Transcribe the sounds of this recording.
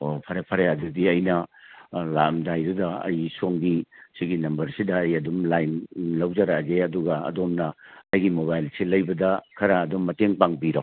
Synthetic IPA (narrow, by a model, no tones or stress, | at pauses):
opʰɐɾepʰɐɾeɐdudiɐjnɐ | la̰mdajɾudɐɐ̰jsoŋɡisiɡinɐmbɐɾsidɐːjɐdumlajnlɐwd͡ʒaɾaɡeɐduɡɐɐ̰domnɐɐjɡimoβajlselɐjbɐdɐkʰɐɾɐːdomːɐteŋpaŋbiɾa